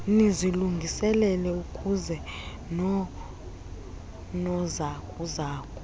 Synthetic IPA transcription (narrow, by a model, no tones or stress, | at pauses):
iniziluŋɡʱisɛlɛlɛukʼuzɛ | nɔ | nɔzakʰʼuzaːkʰʼɔ̥